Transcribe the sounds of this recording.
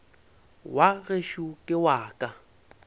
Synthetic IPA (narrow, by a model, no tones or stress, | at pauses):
waɣeʃukʼɪwaːkʼa